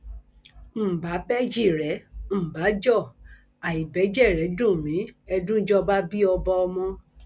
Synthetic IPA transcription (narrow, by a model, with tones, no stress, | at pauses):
m̩˨ba˨˦bɛ˦d͡ʒi˦˨ɾɛ˨˦m̩˨ba˨˦d͡ʒɔ˦˨ | a˨i˨bɛ˨˦d͡ʒɛ˦˨ɾɛ˨˦dũ˦˨mĩ˨˦ɛ˧dũ˦d͡ʒɔ˦ba˦bi˦ɔ˧bɔ˧ɔ˧mɔ̃˧